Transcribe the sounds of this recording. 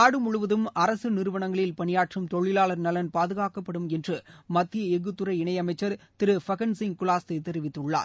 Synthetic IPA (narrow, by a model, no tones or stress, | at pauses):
aːɽɯmʊɻʊʋɐðɯmɐɾɐsɯnɪɾɯʋɐɳɐŋɡɐɭɪlpɐɳɪjaːʈrɯmt̪ɔɭːɪlaːɭɐɾnɐlɐnpaːðɯɣaːkɐpːɐɽɯmɛndrɯmɐt̪ːɪjɐɛɣɯt̪ːɯɾɐɪɪɳɐjɐmɐɪt͡ʃːɐɾt̪ɪɾɯfɐɣɐnsɪŋkʊlaːst̪ɐɪt̪ːɛɾɪʋɪt̪ːɯɭːa̰ːɾ